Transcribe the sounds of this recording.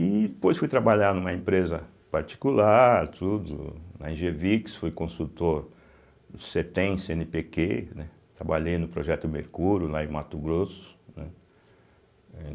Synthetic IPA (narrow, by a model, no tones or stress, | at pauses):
id̪epojsfujt̪ɾabaʎaɾnũmɐẽmpɾezɐ | paɾt͡ʃi̥kulaɾt̪ʰud̪ʊ̰nɐ̰ẽʒeviksfojkõsut̪oɾ | ʊset̪ẽsẽnɪpekenɛ | t̪ɾabaʎejnʊpɾoʒɛt̪ʊmeɾkuɾjʊlaẽmat̪ʊɡɾosʊ̥nɛ̰̃ | ɛ